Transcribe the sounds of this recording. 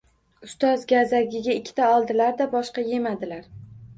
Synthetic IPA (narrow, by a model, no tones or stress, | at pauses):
ʊst̪ɒzɡʲazaɡʲɪɡʲaɪkʲʰːɪ̥t̪ʰaɒlˠd̪ɪlaɾd̪abɒʃqɑje̞mad̪ɪlaɾ